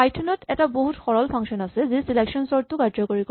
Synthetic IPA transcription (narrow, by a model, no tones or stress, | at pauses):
ajtʰːɔnɔtɛtaboɦutxɔɹɔlpʰaŋʃɔnasezisilekʃɔnsɔɹt̪ukaɹd͡ʑokoɹik